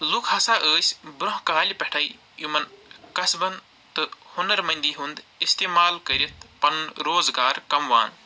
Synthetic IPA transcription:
lukʰhɐsaːʔəːsʲbɾõɦkaːlʲipɐʈʰɐj | jumɐnkɐsbɐn | t̪ɨhunɐɾmɐnd̪iɦund̪ist̪eːmaːlkɐɾit̪pɐnɾoːzɡaːɾkɐmʋa̰ːn

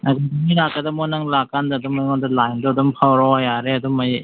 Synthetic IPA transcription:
aɡadamiɾakːadamɔnaŋlakandadɔmajŋɔdalajndɔdɔmpʰawɾɔajaɾeadɔmaj

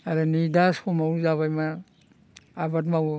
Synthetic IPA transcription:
aɾanidaskɔmawzaβajma | abatmaw

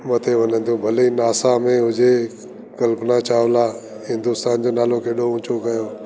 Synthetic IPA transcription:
mɐt̪ʰeʋɐɲə̃nt̪ʰjũbʱɐlenaːsamẽɦʊd͡ʑe | kɐlpnat͡ɕʰaːʋla | ɦɪ̃nd̪ʊst̪aːnd͡ʑoːnaːlõkʰeːɗoʊ̃ːt͡ɕʰokɐjoː

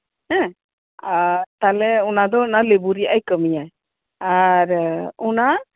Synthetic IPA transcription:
ɦɛ̃ | at̪alɛɔnad̪ɔnalebuɾijajkəmija | aɾɔna

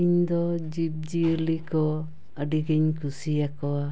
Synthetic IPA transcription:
iɲd̪ɔd͡ʒib̚d͡ʒiəlikɔ | aɖiɡeɲkusiakɔa

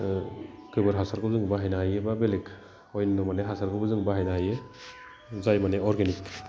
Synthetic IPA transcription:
kɯbɯɾɦasaɾɡɯzɯŋbaɦajnaɦajebabelek | ɔjnnɔmaneɦasaɾɡɯbɯzɯŋbaɦajnaaje | zajmaneɔɾɡenik

